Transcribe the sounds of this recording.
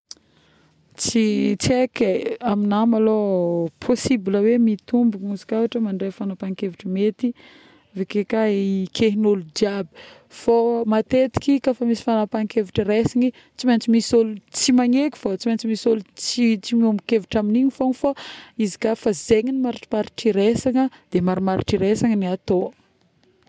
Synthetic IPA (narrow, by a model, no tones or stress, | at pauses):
t͡sit͡sekeaminamalopʰosibiləwemit̪umbuuzi̥kʲawaʈ͡ʂəmaɳɖ͡ʐefanapaŋkeviʈ͡ʂəmet̪i | vekekaekʰeɦinolud͡ʒiabi̥ | fomat̪et̪i̥kikafamisi̥fanapaŋkeviʈ͡ʂəɾesiŋi | t͡simajnt͡simisolut͡simaɲekʲu̥fat͡simant͡simisolut͡sit͡simumikeviʈ͡ʂaminiɲifoŋfaizi̥kafazeŋinimaɾiʈ͡ʂi̥maɾiʈ͡ʂiɾesaŋəd̪̥emaɾimaɾḭʈ͡ʂiɾesaŋəniat̪o